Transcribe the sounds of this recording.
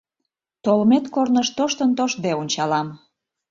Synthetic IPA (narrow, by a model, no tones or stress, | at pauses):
t̪olmet̪kornəʃt̪oʃt̪ənt̪oʃ̚d̪eonʲt͡ɕɑlɑm